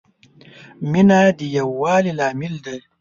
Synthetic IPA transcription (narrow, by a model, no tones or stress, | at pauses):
minad̪əjawːɑːlilɑːmɪld̪a